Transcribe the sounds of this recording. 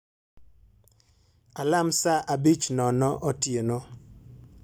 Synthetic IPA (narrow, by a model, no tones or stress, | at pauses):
alamsaʔabit͡ʃnɔnɔʔɔtjeno